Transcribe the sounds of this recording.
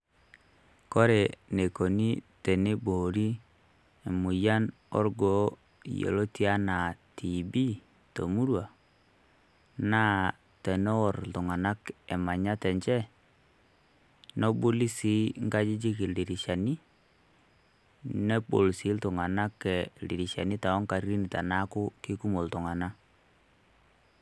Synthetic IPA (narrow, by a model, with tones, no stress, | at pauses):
kɔ˦ɾe˨ne˨ko˨ni˦tɛ˨ne˦bo˨ɾi˦ | e˨mu˨ja˦n | ɔ̰˦ɾɡo˨˦˨ | jḛ˨lo˦ti˦a˦na˨ti˨bi˦ | to̰˨mu˦ɾwa˨ | na˦ | tɛ˨nɔ˦ɔ˨ɾtu˨ŋa˨na˦kɛ˨ma˨ɲa˦tɛ˨ɲt͡ʃɛ˦ | nɔ˦bu˦li˦si˨˦ŋɡa˦d͡ʒi˦d͡ʒi˦ki˨li˨ɾi˨ʃa˨ni˦ | nɛ˦bo˨lsi˨˦ltʊ˨ŋa˨na˦kɛ˨lli˨ɾi˨ʃa̰˨ni˦ta˨ɔ˦ŋka˨ɾi˦ni˨ta̰˨na˦kʊ˦kɪ˦ku˦mo˨ltʊ˨ŋa˨na˦